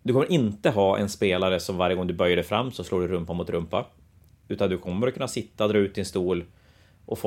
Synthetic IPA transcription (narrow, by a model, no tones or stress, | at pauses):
d̪ɵkʰɔmːəɾʔɪnt̪əɦɑːʔɛ̰nspeːlaɾəsɔmvaɾjəɡɔŋd̪ɵbœɾjəɖɛfɾamːsɔsloːɖɵɾɵmpamʊt̪ɾɵmpːa | ʉ̟ːt̪and̪ɵkʰɔmːəɾɔkʰɵnːasɪt̪ːaɔd̪ɾɑːʉt̪̚d̪ɪnst̪uːl | ʔɔf